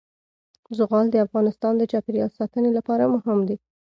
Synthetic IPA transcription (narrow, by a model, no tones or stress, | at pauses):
zʊɣɑld̪əafɣɑnɪst̪ɑnd̪ət͡ʃɑpeɾjɑlsɑt̪ənelapɑɾamʊhɪmd̪i